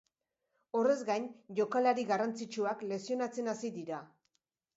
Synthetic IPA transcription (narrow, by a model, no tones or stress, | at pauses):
o̞re̞zɡajnʝo̞kalaɾiɣarant͡sit͡ʃuakle̞sio̞nat͡se̞nasiðiɾa